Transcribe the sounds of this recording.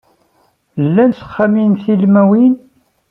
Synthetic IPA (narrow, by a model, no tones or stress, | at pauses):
lːænθə̥χːæminθilmæwin